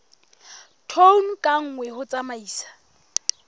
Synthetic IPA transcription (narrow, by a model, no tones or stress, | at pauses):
tʰon̩kʼaŋ̩ŋwɛhʊt͡sʼamaiːsḁ